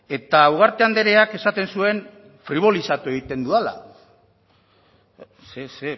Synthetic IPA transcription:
e̞t̪awɣaɾt̪e̞and̪e̞ɾe̞ake̞sat̪e̞nsue̞n | fɾiβ̞o̞lisat̪ue̞ɣ̞it̪e̞nd̪uala̰ | sese

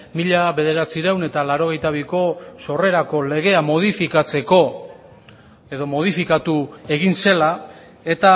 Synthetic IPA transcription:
miʎaβe̞ð̞e̞ɾat͡siɾewne̞t̪alaɾo̞ɣ̞e̞jt̪aβ̞iko̞so̞re̞ɾako̞le̞ɣ̞e̞amo̞ð̞ifikat͡se̞ko̞ | eðo̞mo̞ð̞ifikat̪ue̞ɣinse̞la | e̞t̪a

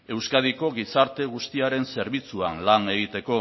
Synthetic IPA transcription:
e̞wskað̞iko̞ɣisaɾt̪e̞ɣ̞ust̪iaɾe̞nse̞ɾβit͡suanlane̞ɣit̪e̞ko̞

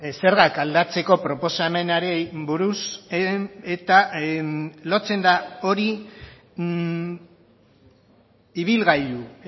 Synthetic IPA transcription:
se̞ɾɣakald̪at͡se̞ko̞pɾo̞po̞same̞naɾebuɾus | et̪a | lo̞t͡se̞nd̪ao̞ɾi | iβilɣajðu

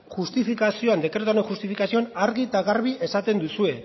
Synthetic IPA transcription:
xust̪ifikasio̞and̪e̞kɾet̪oneŋxust̪ifikasio̞anaɾɣit̪aɣaɾβ̞iʔe̞sat̪e̞nd̪usue̞

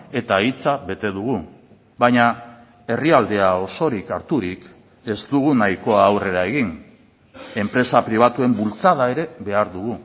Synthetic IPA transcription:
e̞t̪ait͡saβe̞t̪e̞ðuɣu | bajɲa | e̞riald̪e̞ao̞so̞ɾikaɾt̪uɾik | e̞zd̪uɣ̞unajko̞aːwre̞ɾae̞ɣin | e̞mpɾe̞sapɾiβ̞at̪ue̞mbult͡saðae̞ɾe̞be̞aɾðuɣu

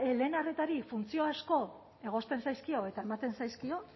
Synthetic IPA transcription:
le̞ːnaret̪aɾifunt͡sio̞asko̞ | e̞ɣ̞o̞st̪e̞nsajskio̞e̞t̪ae̞mat̪e̞nsajskio̞

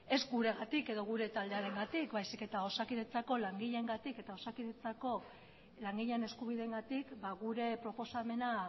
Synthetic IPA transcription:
e̞zɡuɾe̞ɣat̪ike̞ðo̞ɣ̞uɾe̞t̪ald̪e̞aɾe̞ŋɡat̪ikbajsike̞t̪ao̞sakiɾe̞t͡sako̞laŋɡiʎe̞ŋɡat̪ike̞t̪ao̞sakiðe̞t͡sako̞ | laŋɡiʎene̞skuβ̞iðeŋɡat̪ikbaɣuɾe̞pɾo̞po̞same̞na

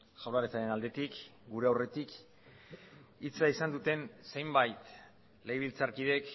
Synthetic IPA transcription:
ʝawlaɾet͡saɾenald̪e̞t̪ikɡuɾe̞awre̞t̪ik | it͡saisand̪ut̪e̞nse̞jmbajt̪ | le̞jβ̞ilt͡saɾkið̞e̞k

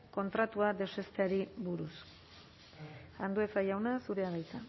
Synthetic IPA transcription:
ko̞nt̪ɾat̪uad̪e̞ze̞st̪eaɾiβuɾus | and̪ue̞t͡sajawnasuɾe̞aɣajt͡sa

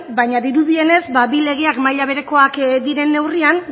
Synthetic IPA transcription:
bajɲaðiɾuðie̞ne̞zbaβile̞ɣ̞e̞akmajʎaβ̞e̞ɾeko̞akd̪iɾe̞nːe̞wrian

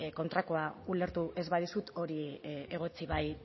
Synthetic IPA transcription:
ko̞nt̪ɾako̞aule̞ɾt̪uʔe̞zβaðisut̪o̞ɾie̞ɣ̞o̞t͡siβaj

